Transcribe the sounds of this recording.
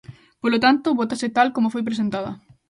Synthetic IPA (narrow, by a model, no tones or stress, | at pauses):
polot̪ant̪oβot̪aset̪alkomofojp̬ɾes̬ẽnt̪aðɐ̰